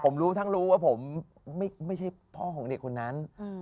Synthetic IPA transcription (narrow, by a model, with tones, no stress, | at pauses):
pʰo˩˦mɾuː˦˥t̪ʰa˥˩ŋɾuː˦˥waː˥˩pʰo˩˦mː | a˥˩jma˥˩jt͡ɕʰa˥˩jpʰɔː˥˩kʰɔː˩˦ŋde˨˩kʰːo˧nːa˦˥n˧